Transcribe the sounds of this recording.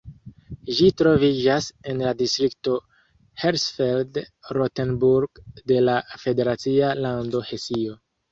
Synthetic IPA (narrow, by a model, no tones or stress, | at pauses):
ʒitɾo̞vid͡ʒase̞nladistɾikto̞ | heɾsfeldɾotenbuɾɡde̞lafe̞de̞ɾat͡sialando̞he̞sio̞